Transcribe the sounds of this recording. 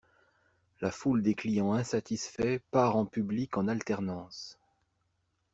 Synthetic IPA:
lafuld̪eklijɑ̃ɛ̃sat̪isfɛpaʁɑ̃pyblikɑ̃nalt̪ɛʁnɑ̃s

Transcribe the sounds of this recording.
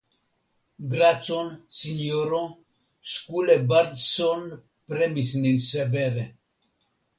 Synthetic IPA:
ɡɾat͡sonsiɲoɾo | skulebaɾd̪son | pɾemisninsebeɾe

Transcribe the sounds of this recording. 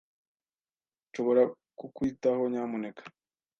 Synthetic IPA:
nʃoβoɾa | kukwitaho̞ɲaːmunekḁ

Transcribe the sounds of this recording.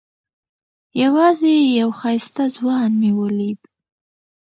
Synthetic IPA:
jawɑzejawxɑjst̪azwɑnniwəlib

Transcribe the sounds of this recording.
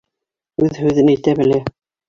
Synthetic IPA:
ʉðhʉðɘ̆næit̪æbɘ̆læ

